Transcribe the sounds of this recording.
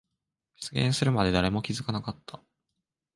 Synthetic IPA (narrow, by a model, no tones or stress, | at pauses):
bi̥t͡sɨɡʲẽ̞ɰ̃sɨɾɯ̟mad̪e̞d̪aɾe̞mo̞kʲizɨkanakat̪ʰːa